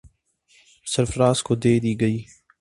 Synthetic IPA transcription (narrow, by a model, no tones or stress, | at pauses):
səɾfɾaːskoːd̪eːd̪iːɡəiː